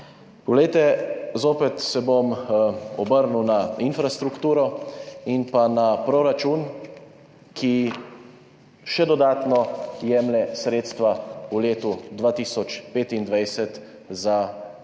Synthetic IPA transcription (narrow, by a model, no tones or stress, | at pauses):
pɔɡlɛjt̪ɛzoːpɛt̪sɛbomɔbəɾnuwnainfɾast̪ɾukt̪uːɾɔinpanapɾɔɾat͡ʃuːn | kʰi | ʃɛd̪ɔd̪aːt̪nɔjɛːmlɛsɾeːt̪st̪ʋauleːt̪ud̪ʋaːt̪iːsɔt͡ʃpeːt̪ind̪ʋajsɛt̪ | za